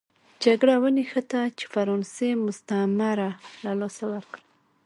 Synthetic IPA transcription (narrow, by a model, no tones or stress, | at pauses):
d͡ʒaɡɽawənixət̪at͡ʃe̥faɾɑnsemʊst̪amaɾalalosawəɾkɽə